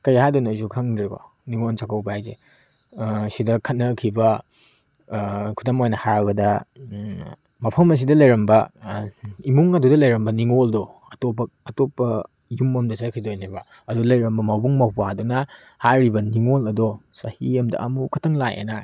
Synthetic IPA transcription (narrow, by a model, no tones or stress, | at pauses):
kɐjhadɔnojzukʰɐŋdeko̰ | niŋonsakʰɐwbaajzḛ | sidɐkʰɐt̚nɐkʰibɐ | kʰudɐmojnɐhaɾɐɡɐdɐ | mɐpʰɐmɐs̬idɐlɐjɾɐmbɐ | imuŋɐdudɐlɐjɾɐmbɐniŋoldɔɐtopːɐːtopːɐ | jumɐmdɐsakʰidojnibɐ | ɐdulɐjɾɐmbɐmɐwbuŋmɐwpadonɐ | haɾibɐniŋolɐdosɐhiɐmdɐ̰ʔɐ̰mukʰɐtʰɐŋlajʔḛna